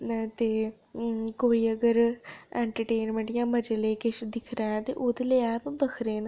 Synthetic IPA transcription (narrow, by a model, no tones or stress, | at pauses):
t̪eː | koːiːəɡəɾɛ̃ːɳʈəɾʈeːnmə̃ɳʈjãːməd͡ʒəleːkɪʃd̪ɪkʰɾɛ̃ːɛ̃ːt̪ḛːʔʊd̪leːɛːpbəkʰɾeːn